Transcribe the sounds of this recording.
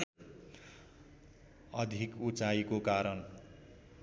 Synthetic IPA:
ʌd̪ʱikut͡saikokaɾʌn

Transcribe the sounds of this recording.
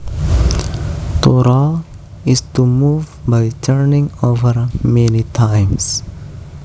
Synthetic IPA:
t̪oɾa | ɪztumuːvbaɪtʰəɾnɪ̃ŋoʋəɾmɛnitʰãɪms

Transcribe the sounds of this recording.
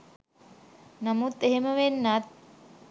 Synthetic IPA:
namut̪ːeɦeməʋenːat̪̚

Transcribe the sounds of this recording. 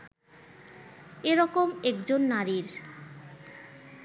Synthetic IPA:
eɾɔkomɛkd͡ʑonːaɾiɾ

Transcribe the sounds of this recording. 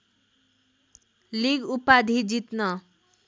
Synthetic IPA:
liɡupad̪ʱid͡zit̪nʌ

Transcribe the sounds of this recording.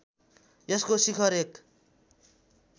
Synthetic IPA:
jeskosikʰʌɾek

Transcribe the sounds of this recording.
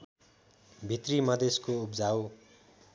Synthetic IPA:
bʱit̪rimʌd̪eskoupd͡zaw

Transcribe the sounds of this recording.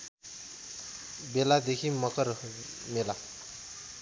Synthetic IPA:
belad̪ekʰimʌkʌɾ | mela

